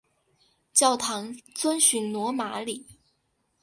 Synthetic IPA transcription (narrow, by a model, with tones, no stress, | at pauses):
t͡ɕjɑ˥˩ʊt̪ʰɑ˧˥ŋt͡swə˥nɕy˧˥ŋnwɔ˧˥ma˧˥li˨˩˦